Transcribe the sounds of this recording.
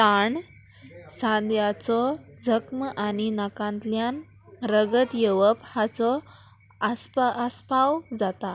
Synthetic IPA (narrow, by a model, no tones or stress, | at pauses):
t̪aɳ | sãnd̪jat͡sɔd͡zʱəkməʔaɽinakãnt̪ljan | ɾəɡət̪jeʋəphat͡sɔ | aspəspawd͡zat̪a